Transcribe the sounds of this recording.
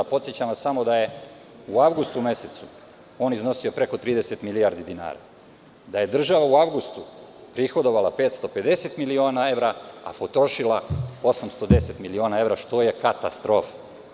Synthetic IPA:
pot̪sjet͡ɕamasamo̞d̪aje̞ | uaʋɡust̪ume̞set̪su | o̞ːnizno̞siopɾe̞ko̞t̪ɾiːd̪eset̪milijaɾd̪id̪ina̰ːɾa̰ | d̪aje̞d̪r̩ʒaʋauaʋɡust̪upɾixo̞d̪o̞ʋalapet̪st̪o̞pe̞d̪e̞set̪milio̞ːnae̞ʋɾaa̰po̞t̪ɾo̞ʃilˠao̞samst̪o̞d̪e̞se̞t̪milio̞nae̞ʋɾaʃt̪o̞je̞kat̪ast̪ɾo̞fa

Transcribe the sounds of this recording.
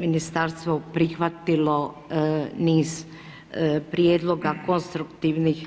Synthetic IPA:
minist̪aɾst̪ʋopɾixʋat̪ilo | niːz | pɾjeːd̪lˠo̞ɡakonst̪ɾukt̪iʋnix

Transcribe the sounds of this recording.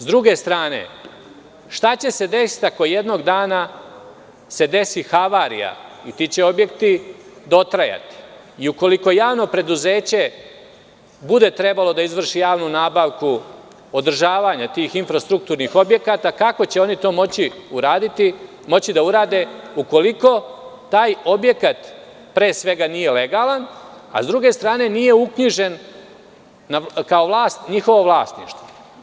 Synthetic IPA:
zd̪ɾuɡe̞st̪ɾaːne̞̰ | ʃt̪at͡ɕe̞se̞d̪e̞si̥t̪ako̞je̞d̪no̞ɡd̪aːna | se̞d̪e̞sixaʋaːɾḭja̰it̪it͡ɕe̞o̞bje̞kt̪id̪o̞t̪ɾaja̰t̪i̥ | iuko̞liko̞jaːʋno̞pɾe̞d̪uze̞ːt͡ɕe̞ | bud̪e̞t̪ɾe̞balo̞d̪aizʋr̩ʃijaːʋnunaːbaʋku | od̪r̩ʒaːʋaɲat̪iːxinfɾast̪ɾuk̚t̪uːɾnixo̞bje̞kat̪akako̞t͡ɕe̞o̞nit̪o̞ːmot͡ɕiuɾaːd̪it̪i | mo̞t͡ɕid̪auɾaːd̪e̞uko̞liko̞t̪aːjo̞bje̞kat̪ | pɾe̞ːsʋe̞ɡanije̞le̞ɡaːlan | a̰zd̪ɾuɡe̞st̪ɾaːne̞nije̞ukɲiʒe̞n | akaoʋlaːsɲixo̞ʋo̞ʋlˠaːst̪nḭʂt̪ʋo

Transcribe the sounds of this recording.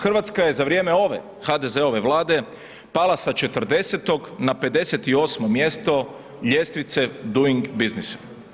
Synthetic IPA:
xr̩ʋat̪skaje̞zaʋɾje̞meo̞ʋe̞̰ | xad̪e̞ze̞o̞ʋe̞ʋlˠaːd̪e̞ | palˠasat͡ʃe̞t̪r̩d̪e̞set̪o̞ɡnape̞d̪e̞set̪io̞ːsmo̞mje̞st̪o̞ | ʎʲe̞st̪ʋit̪se̞d̪uiŋɡbiznisḁ

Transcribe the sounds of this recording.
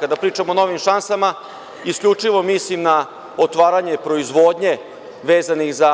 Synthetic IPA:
kad̪apɾiːt͡ʃamono̞ːʋimʃansama | iskʎʲut͡ʂiʋo̞mislimna | ot̪ʋaːɾaɲe̞pɾo̞izʋo̞ːd̪ɲe̞ | ʋeːzanixza

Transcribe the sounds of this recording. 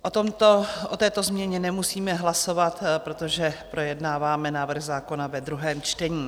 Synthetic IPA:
ʔot̪omt̪oʔot̪ɛːt̪o̞zmɲɛɲɛnɛmusiːmɛɦlaso̞vat̪pɾo̞t̪o̞ʒɛpɾo̞jɛdnaːvaːmɛnaːvr̩ɣzaːko̞navɛd̪ɾuɦɛːmt͡ʃt̪ɛɲiː

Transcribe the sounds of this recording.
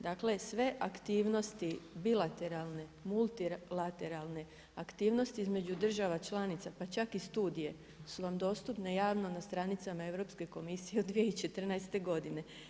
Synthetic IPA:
d̪aːkle̞sʋe̞ʔakt̪iːʋno̞st̪ibilˠat̪e̞ɾalˠne̞mulˠt̪iɾlat̪e̞ɾalˠne̞ | akt̪iːʋno̞st̪iizme̞d͡ʒud̪r̩ʒaʋat͡ʃlˠanit̪sapat͡ʃakist̪uːd̪ije̞ | suʋamd̪o̞ːst̪upnejaːʋno̞nast̪ɾanit̪samae̞ʋɾo̞pske̞ko̞misijeod̪ʋijeit͡ʃe̞t̪r̩najst̪e̞ɡo̞d̪ine̞

